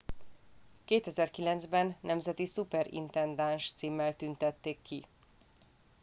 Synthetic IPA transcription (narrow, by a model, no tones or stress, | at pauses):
keːt̪ɛzɛrkilɛnd̪zbɛnːɛmzɛt̪isupɛɾḭnt̪ɛnd̪anʃt̪siːmːɛlt̪ynt̪ɛt̪ːeːkːi